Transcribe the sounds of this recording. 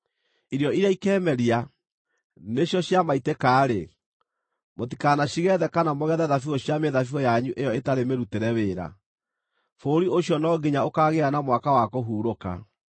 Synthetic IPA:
iɾjɔiɾaikɛːmɛɾia | neɕjɔɕjamaitekaːɾe | mot̬i̥kanaɕiɣɛðɛkanamoɣɛðɛðafiɣɔɕjameðafiɔjaɲuʔejɔetaɾemeɾuteɾɛweːɾa̰ | foɾioɕjɔnɔɡeɲaokaːɣeanamwakawakoɦuːɾoka̰

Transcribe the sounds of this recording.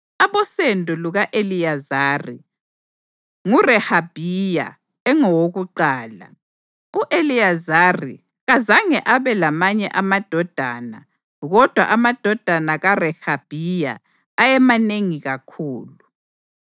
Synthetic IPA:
aβɔsendʱʼuluɣaʔelijazaːrḭ | ŋurɛhab̥ʱija̰ | ɛŋɔwoɣuǃaːla̰ | uʔeliazarḭ | ɣazaŋɛʔaβɛlamaɲɛʔamad̥ʱɔd̥ʱaːna̰ | ɣɔd̥ʱwa̰ʔamad̥ʱɔd̥ʱanaɣarɛhab̥ʱija̰ː | jɛmaneŋiɣakʰuːlu

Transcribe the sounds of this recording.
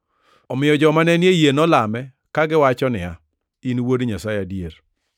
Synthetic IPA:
ɔmɪjɔd͡ʒɔmanɛnjejenɔlamɛ | kaɡɪwat͡ʃɔnɪa̰ | inwodɲasajadjeɾ

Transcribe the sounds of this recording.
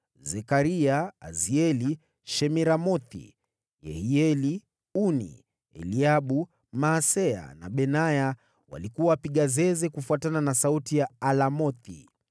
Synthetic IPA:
zɛkaɾiaːziɛli | ʃɛmɛɾamɔθḭ | jɛ̰hiɛli | unḭ | ɛ̰liaɓu | maːsɛa̰na̰ɓɛnaja | wa̰likuwaːpiɠazɛzɛkufuatananasautijaalamɔθḭ

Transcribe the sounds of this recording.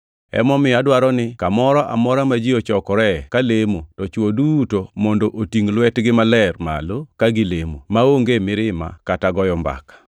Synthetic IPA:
ɛ̰mɔmɪadwaɾɔnɪkamɔɾɔʔa̰mɔɾamad͡ʒiot͡ʃɔkɔɾɛkalemotɔt͡ʃwodutomɔndoʔotiŋlwɛtɡɪmalɛrma̰lokaɡɪlemo̰maoŋɡemɪɾɪma̰kataɡɔjɔmba̰kḁ

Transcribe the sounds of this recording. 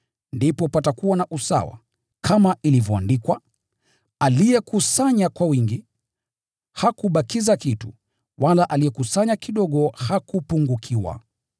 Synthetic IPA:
ndipɔpatakuwanaʔusa̰wa̰ | kʰamaʔilivjɔa̰ndikwa | alijɛkusaɲakwawiŋɡi | hakuɓakizakitṵ | walaʔalijɛkusaɲakiɗɔɠɔhakupuŋɡukʰiwa̰

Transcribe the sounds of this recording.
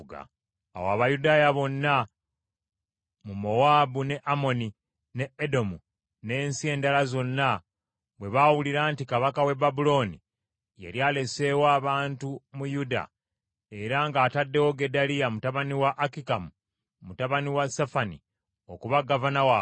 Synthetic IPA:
ɡa̰ | a̰wa̰βajudaːjaβo̞nːa | mumo̞waːbune̞ʔamo̞ni | ne̞edo̞mu | ne̞ːnsie̞ːndalazo̞nːa | βwe̞βawuliɾaːntikaβakawe̞babulo̞ːnḭ | jḛɾjaːle̞se̞waːβaːntumujuda̰ | e̞ɾaŋɡaːtadːe̞wo̞ɡe̞dalijamutaβaniwaʔːkikamu | mutaβaniwasafanḭ | o̞kuβaɡavanawa

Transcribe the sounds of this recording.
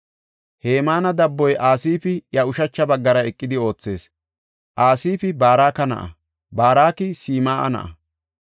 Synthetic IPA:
heːmaːnɐd̪ɐbːɔjʔaːsiːpɪjɐʊʃɐt͡ʃːɐbɐɡːɐɾɐɛkʼːɪd̪ɪo̞ːt͡sːe̞̰ːs | ʔaːsiːpɪbaːɾaːkɐnɐ̰ʔɐ̰ | baːɾaːkɪsiːmaːʔɐ̰nɐ̰ʔɐ̰

